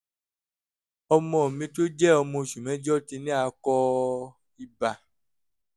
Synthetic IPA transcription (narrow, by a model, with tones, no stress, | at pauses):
ɔ˧mɔ̃˧˨ɔ˨mĩ˧to˦d͡ʒɛ˦ɔ˧mɔ̃˧˨ʃu˨mɛ̃˨˦d͡ʒɔ˦ti˧nĩ˦a˧kɔ˧ | i˧ba˨